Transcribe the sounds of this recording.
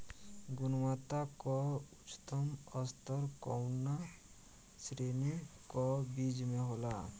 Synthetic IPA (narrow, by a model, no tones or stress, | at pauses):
ɡunwat̪akɔut͡ʃt̪ɔmʌst̪ʰɔɾkɔwnːa | sɾenikɔbid͡ʒmeɦola